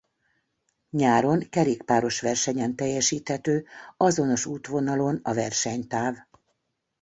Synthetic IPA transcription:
ɲaːɾo̞ŋkɛɾeːkpaːɾo̞ʃʋɛrʃɛɲɛnt̪ɛjːɛʃiːt̪hɛt̪øːɒzo̞no̞ʃuːt̪ʋo̞nɒlo̞nɒvɛrʃɛɲt̪aːv

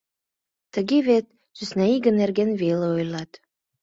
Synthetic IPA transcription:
t̪əɣeβet̪̚ | ʃysnæiɣə̆nːerɣenveleojlɑt̪

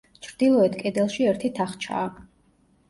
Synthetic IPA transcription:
t͡ʃʰɾd̪̥ilˠɔɛt̪ʰkʼɛd̪ɛlˠʃiɛɾt̪ʰit̪ʰaχt͡ʃʰa̰ː

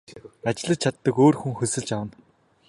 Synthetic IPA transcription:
at͡ɕɪ̆ɮə̆t͡ɕ̚t͡ɕʰat̪ːə̆koːrxuŋxɵsɘ̆ɮt͡ɕawn

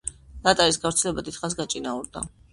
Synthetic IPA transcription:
lat̪ʼaɾisɡavɾt̪sʰɛlɛbad̪it̪χas̬ɡat͡ʃʼinauɾd̪a̰

